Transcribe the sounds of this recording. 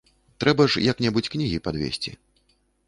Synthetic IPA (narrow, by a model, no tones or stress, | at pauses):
t̪ɾɛbɐʂjaknʲɛbut͡sʲknʲiɣʲipad̪vʲḛsʲt͡sʲḭ